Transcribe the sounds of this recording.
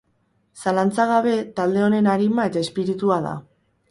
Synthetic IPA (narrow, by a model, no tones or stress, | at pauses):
salant͡saɣ̞aβ̞e̞t̪ald̪e̞o̞ne̞naɾimae̞t̪ae̞spiɾit̪uaða̰